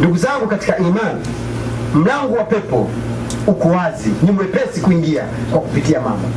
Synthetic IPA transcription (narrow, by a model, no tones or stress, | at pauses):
nduɡuzaŋɡukati̥kaimani | m̩laŋɡɔwapɛpɔ̰ | ukuwaziɲumbɛpɛsikuiŋɡia̰ | kwakupitiama̰mbɔ̰